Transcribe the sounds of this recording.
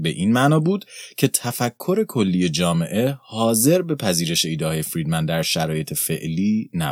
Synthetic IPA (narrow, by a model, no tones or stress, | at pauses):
be̞ʔiːnmæʔnɒːbuːd̪̥cʰe̞t̪ʰæfækʰːo̞ɾe̞kʰo̞lːiːje̞d͡ʒɒːme̞ʔe̞hɒːze̞ɾbe̞pʰæziːɾe̞ʃe̞iːd̪ehɒːje̞fɾiːd̪mænd̪ːæɾʃæɾɒːje̞t̪ʰe̞fe̞̰ʔliːnæ̰